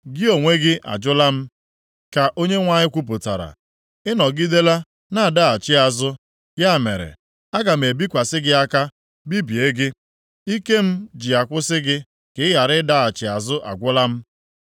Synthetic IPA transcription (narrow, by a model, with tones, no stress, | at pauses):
ɡɪ˦o˨ŋʷe˦ɡɪ˦ʔa̰˨d͡ʒʊ˦la˦m̩˦ | ka˨ʔo˦ɲe˦ŋʷa˨ɲɪ˦kʷu˦p̬ʊ˨ta˨ɾa̰˨ | ɪ˦nɔ˨ɡi˦de˦la˦ | na˦a˨da˦a˨t͡ʃɪ˦a˨zʊ˦ | ɡa˦˨mḛ˨ɾḛ˨ | a˦ɡa˨m̩˨e˨bi˦kʷa˨sɪ˦ɡɪ˦a˦ka˦ | bi˦bi˨e˦ɡɪ˦ | i˦ke˦m̩˦d͡ʒɪ˨a˨kʷʊ˦sɪ˦ɡɪ˦ | kɪ˨˦ɪ˦ja˨ɾɪ˦da˦a˨t͡ʃɪ˨a˨zʊ˦ʔa̰˨ɡʷʊ˦la˦m̩˦